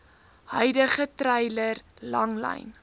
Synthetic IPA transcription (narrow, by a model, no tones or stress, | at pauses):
hœjdəχətɾɛjlərlɐŋlɐ̰jn